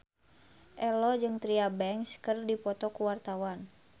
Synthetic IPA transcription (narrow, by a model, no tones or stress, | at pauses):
ʔɛlɔd͡ʒɨŋt̪ɾiabɛŋskɨrdipɔt̪ɔkuwart̪awan